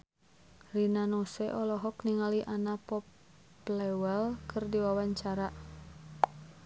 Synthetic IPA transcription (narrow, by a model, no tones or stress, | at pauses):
rinanɔsɛʔɔlɔɦɔkniŋaliʔanapɔp | lɛwɛlkʰɨrdiwawaɲt͡ʃaɾa